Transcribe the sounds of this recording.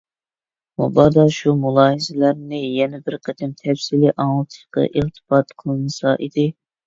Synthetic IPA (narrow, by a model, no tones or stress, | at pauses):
mṵbɑːd̪ɑʃumulˠɑːhɨzɪlæɾnɪjɛnɛbɪɾqʰɛt̪ʰɛmt̪ʰɛfsilɪʔɑŋlˠt̪ʰɨ̥ʃqɑ̰ʔilt̪ʰɨ̥bɑt̪qʰəlˠnɨsɑʔid̪ɪ